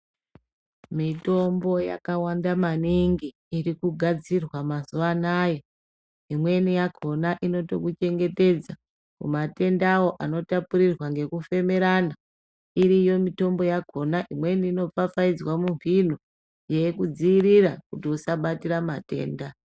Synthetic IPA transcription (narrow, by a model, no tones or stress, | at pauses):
mito̞mbo̞ja̰kawandamaniŋɡiːrikuɡʱad͡zirwamazuʋanaje | imwe̞nijaɡʱo̞naʔino̞to̞̰kut͡ʃe̞ŋɡe̞te̞d͡za | mumate̞ndawo̞ʔano̞tapuɾirwaŋɡe̞kufe̞me̞ɾana | iɾijo̞mito̞mbo̞jaɡʱo̞naʔimwe̞niːno̞p͡fafaid͡zwamuɱvin̤o | je̞jekud͡ziːrirakutiusaɓatiɾamate̞̰ːnda